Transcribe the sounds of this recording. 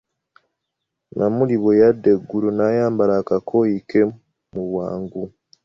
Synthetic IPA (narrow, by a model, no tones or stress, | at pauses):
namuliβo̞jadeɡːuɾunajaːmbalakakʰojike | muβwa̰ːŋɡu